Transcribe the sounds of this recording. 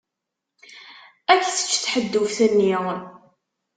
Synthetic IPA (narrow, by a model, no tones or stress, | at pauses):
ækːθə̥t͡ʃːθħəd̪ːufθənːiʁ